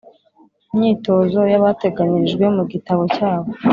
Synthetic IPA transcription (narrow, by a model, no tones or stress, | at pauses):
imɲiːto̞zo̞jaβate̞ɡaɲiʒɡweomuɡitaβo̞caːβo̞